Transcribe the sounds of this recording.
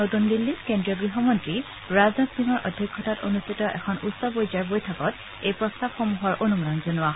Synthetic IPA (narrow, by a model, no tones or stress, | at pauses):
notundilːiskendɹiɔɡɹiɦɔmɔntɹi | ɹaznɔtsiŋɔɹʔɔdʱːɔkʰːɔtatonustʰitɔʔɛ̰kʰɔnutsɔbojzaɹbojtʰakɔt | ejpɹɔstabxomuɦɔɹʔonumɔdanzonʊa